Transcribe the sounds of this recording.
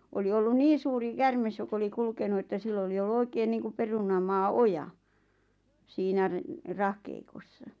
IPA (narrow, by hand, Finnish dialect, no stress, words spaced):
oli olːun niːn̞ suːri kærmes jok oli kulkenu etːæ silː oli olːu oikeːn niːŋkup perunɑmɑː ʔojɑ siːnæ re rɑhkeikosːɑ